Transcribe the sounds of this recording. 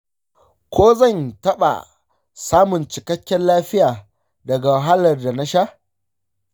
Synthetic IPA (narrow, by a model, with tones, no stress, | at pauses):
kʷoː˦zɐ˦˨ntɐ˦ɓa̰˨ | saː˦mʊ˨nt͡ʃɪ˨kɐ˦kʲːɛ˦nlaː˦ɸɪ˦jaː˨ | dɐ˨ɡa˨wɐ˨ɦa˦lɐ˨rda˨na˦ʃa˦ʔ